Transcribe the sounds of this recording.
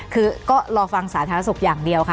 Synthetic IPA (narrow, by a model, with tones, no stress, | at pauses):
kʰɯː˧kɔː˥˩ɾɔː˧fa˧ŋsaː˩˦t̪ʰaː˧˦a˦˥su˨˩k̚jaː˨˩ŋdi˧əwkʰa˦˥